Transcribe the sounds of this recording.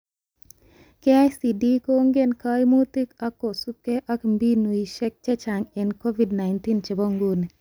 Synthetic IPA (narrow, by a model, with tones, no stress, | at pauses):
ke˦a˦jsi˨di˦ko˦ŋɡe˦nka˦jmu˦t̪i˦ka˦kːo˨su˦p̚ke˦ʔa˦kmbi˦nu˨i˨ʃɛ˦k̚t͡ʃɛ˦t͡ʃa˨ŋe˨nko˦vi˦dna˨ɪnt̪i˦nt͡ʃe˨bɔ˦ŋɡu˦ni˨